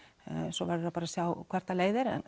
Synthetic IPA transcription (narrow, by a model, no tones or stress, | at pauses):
sɔvaɾʏɾapaːɾasjawkʰv̥ɛɾ̥t̪aleːjðɪɾɛ̰n